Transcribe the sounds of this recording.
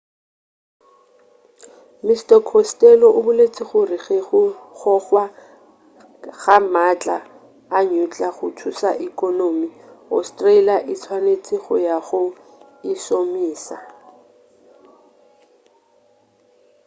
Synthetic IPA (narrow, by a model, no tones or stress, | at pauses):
mistɛkʰɔstʼɛlɔʔʊbʊlet͡sʼɪχʊriχeɣʊχɔχwa | ɣamat͡ɬʼaː | ɲut͡ɬʼaχʊtʰusa̰ʔikʼɔnomiɔ̰stʼreiliaʔɪt͡sʰwanet͡sʼɪɣʊ̰jaχʊ | ɪsomiːsa